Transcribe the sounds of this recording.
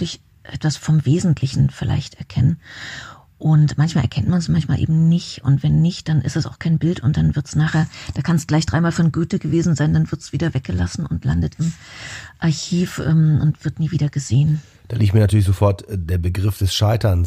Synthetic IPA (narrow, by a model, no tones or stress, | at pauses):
klɪç | ʔɛ̰tv̥asfɔmveːzn̩tʰlɪçn̩fɪlʔa̰ɪçtʔɛ̰ɐkʰɛnən | ʔʊntmançmaːlʔɛɐkʰɛntmansmançmaːlʔḛːbm̩nɪçtʊ̰ntv̥ɛnːɪçtd̥anʔɪstd̥ɛsaʊxkʰaɪnbɪltʊnt̚d̥anvɪɐtsnaːχeːɐd̥aːkʰanstɡ̥laɪçd̥ʁaɪmaːlfɔnɡyːtəɡəveːzn̩zaɪndanvɪɐtsv̥iːdɐvɛk̚ɡ̥əla̰sn̩ʊntʰla̰ndətɪmʔaɐçiːfʔɛ̰ːmʔʊ̰ntv̥ɪɐtniːviːdɐɡəzeːən | d̥aːliːk̚tmiːntyːɐlɪçzofɔɐtd̥eːɐbəɡʁɪfd̥ɛsʃaɪtɐns